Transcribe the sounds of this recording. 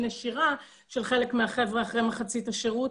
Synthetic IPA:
naʃiʁa | ʃelχe̞le̞kmeaχe̞vʁeaχʁejmeχat͡sitaʃeʁut

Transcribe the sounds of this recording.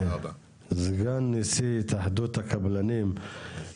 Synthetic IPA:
zɡanːisit̪ʰahd̪ut̪akablanim

